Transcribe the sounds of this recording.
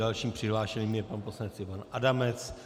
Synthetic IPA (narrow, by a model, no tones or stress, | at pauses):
alʃiːmpr̝̥ɪɦlaːʃɛɲiːmjɛpanposlanɛt͡sɪpanadamɛt͡s